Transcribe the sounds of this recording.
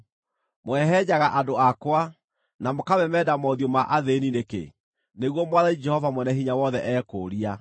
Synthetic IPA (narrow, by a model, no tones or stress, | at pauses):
mwɛɦɛɲaɣaʔadoakwa | namokawɛmɛdamɔðjomaʔaðeninekḛ | neɣwɔmwaðaid͡ʒɛhɔvamwɛnɛɦiɲawɔðɛʔɛːkoːɾia